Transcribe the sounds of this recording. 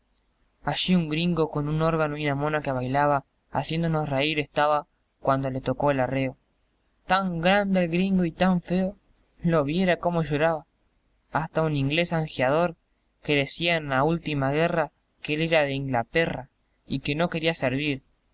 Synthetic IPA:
aʃiuŋɡɾiŋɡo̞ko̞nuno̞ɾɣanoinamo̞nakeβajlaβa̰ː | sje̞nd̪onosreiɾe̞st̪aβa | kwand̪o̞le̞t̪o̞ko̞elareo̞ | t̪aŋɡɾand̪eːlɣɾiŋɡoit̪aɱfeo̞ | lo̞βje̞ɾako̞mo̞ʃo̞ɾaβaː | st̪aunĩŋɡle̞saŋxjað̞o̞ɾ | ke̞ðe̞siaenlault̪imaɣe̞ra | keeleɾaðe̞iŋɡlat̪era | ike̞no̞ke̞ɾiaseɾβiɾ

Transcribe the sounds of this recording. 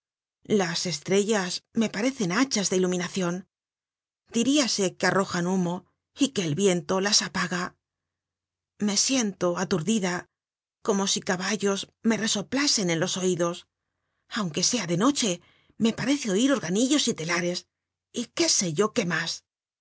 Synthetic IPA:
lase̞st̪ɾe̞ʝasme̞paɾe̞θe̞nat͡ʃazðe̞ilumĩnaθjo̞n | d̪̥iɾiase̞kearo̞xanumo̞ | ike̞ːlβje̞nt̪o̞lasapaɣa | me̞sje̞nt̪o̞at̪uɾðiða | ko̞mo̞sikaβaʝo̞zme̞re̞so̞plase̞ne̞nlo̞so̞iðo̞s | awŋke̞se̞aðe̞no̞t͡ʃe̞ | me̞paɾe̞θeo̞iɾo̞ɾɣaniʝo̞sit̪e̞laɾe̞s | ike̞se̞ʝo̞ke̞mas

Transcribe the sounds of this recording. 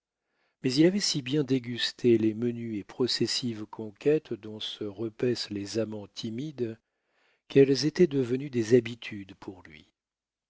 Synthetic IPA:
mɛzilavɛsibjɛ̃d̪eɡʲyst̪ʰelemənyepχɔsɛsivkʰɔ̃kʲʰɛt̪d̪ɔ̃səʁəpɛslezamɑ̃t̪ʰimid̪ | kɛlzet̪ɛd̪əvənyd̪ezabit̪ʰyd̪pʰuʁlɥḭ

